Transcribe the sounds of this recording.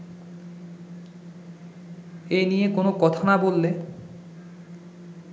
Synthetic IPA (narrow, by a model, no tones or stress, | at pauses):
ejnijekonokɔt̪ʰonabolːe